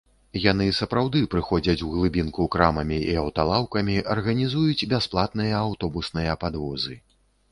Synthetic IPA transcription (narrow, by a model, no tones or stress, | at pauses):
jan̪ɨsɐpɾawd̪ɨpɾɨxɔd͡zʲɐt͡sʲuɣlˠɨbʲinkukɾamɐmʲiiɐwt̪alˠawkɐmʲiʔɐrɣɐnʲizujut͡sʲbʲasplˠat̪̚nɨjɐːwt̪ɔbusnɨjɐpad̪vɔzɨ